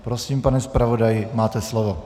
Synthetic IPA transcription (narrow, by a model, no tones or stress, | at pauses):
pɾosiːmpanɛspɾavodajɪmaːt̪ɛslovo